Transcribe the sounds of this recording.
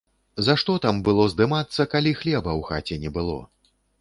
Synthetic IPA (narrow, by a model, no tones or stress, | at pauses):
zaʂt̪ɔt̪ambɨlˠɔzd̪ɨmat̪sːɐkalʲixlʲɛbɐwxat͡sʲɛnʲɛbɨlˠɔ̰